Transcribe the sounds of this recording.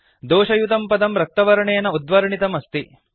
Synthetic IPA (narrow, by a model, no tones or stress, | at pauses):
d̪oːʃɐjut̪ɐmpɐd̪ɐmɾɐk̚t̪ɐʋɐɾɐɳejɐnɐud̪ʋɐɾɐɳit̪ɐmɐst̪i